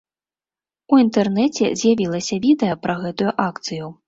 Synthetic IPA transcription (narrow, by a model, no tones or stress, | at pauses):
uint̪ɛrnɛt͡sʲɛ̰zʲjavʲilˠɐsʲɐvʲid̪ɛjɐpɾɐɣɛt̪ujuʔakt̪sɨju